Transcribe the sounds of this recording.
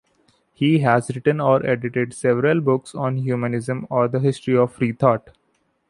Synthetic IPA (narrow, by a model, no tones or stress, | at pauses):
hiːɦæzɾɪʈə̃nɔːɾʔeɖɪʈeɖsɛʋəɾəlbʊksɔ̃ːnɦjuːmənɪzə̃mɔːɾd̪əɦɪsʈɾiɔʋɾiːt̪ʰɔːʈ